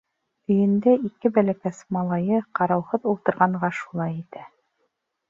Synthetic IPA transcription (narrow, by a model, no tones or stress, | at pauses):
ɵ̆jɘ̆nd̪æikɘbælækæsmɑlˠɑjɤqɑɾɑwhɤðulˠt̪ɤ̆ɾʁɑɴɢɑʃu̥lˠɑjit̪æ